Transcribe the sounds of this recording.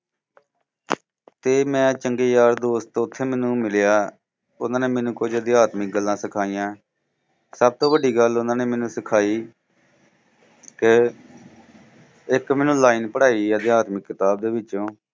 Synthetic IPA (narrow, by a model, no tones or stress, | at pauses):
t̪eːmɛ̃ːt͡ʃəŋɡeːjaːɾd̪oːst̪ːʊt̪ʰːeːmɛːnũːmɪljaː | ʊnãːneːmɛ̃ːnũːkʊd͡ʒəd̪ɪjaːt̪mɪk̚ɡəlːãːsɪkʰaːijãː | səb̚t̪õːʋəɖiːɡəlʊnãːneːmɛ̃ːnũːsɪkʰaːiː | ke | ɪkmɛːnũːlaːiːnpəɽaːiːəd̪ɪjaːt̪məkːɪt̪aːb̚d̪eːʋɪt͡ʃːõː